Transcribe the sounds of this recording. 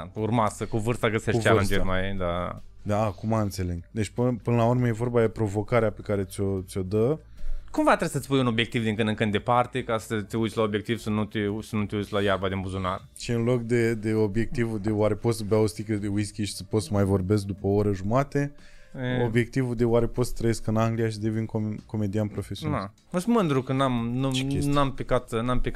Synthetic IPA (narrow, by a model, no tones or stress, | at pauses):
urmasəkuvɨrst̪aɡəseʃalant͡ʃ̪emaed̪ad̪akumaɨnt̪se̞le̞ŋɡd̪et͡ʃpɨpɨnəlaurməje̞vo̞rbad̪e̞pɾo̞vo̞kaɾeape̞kaɾe̞t̪sʲo̞t̪sʲo̞d̪ə | kumvat̪ɾesət̪sʲpujuno̞bje̞k̚t̪ivd̪iŋkɨnɨŋkɨnd̪e̞part̪ekasət̪ʲeut̪ʲlao̞bje̞k̚t̪ivsənut̪esənut̪eujtsʲlajarbad̪embuzunar | ʃiɨnlo̞kd̪e̞d̪e̞o̞bje̞k̚t̪ivud̪e̞waɾe̞po̞t̪səbaost̪ikəewiskʲiʃi̥sə̥pot̪səmajvo̞rbe̞sk̚d̪upəoɾəʒumat̪e | eo̞bje̞k̚t̪ivud̪e̞waɾe̞po̞t̪sə̥t̪ɾəjeskɨnaŋɡlijaʃid̪e̞vinkoko̞me̞d̪ianpɾo̞fesia | əsmɨnd̪ɾukənamnunampekat̪nampek